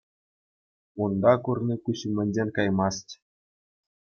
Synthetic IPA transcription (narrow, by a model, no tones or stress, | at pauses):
und̪ɑkurnʲikuɕɘmʲɘ̆nʲd͡ʑenʲkɑjmɑstʲ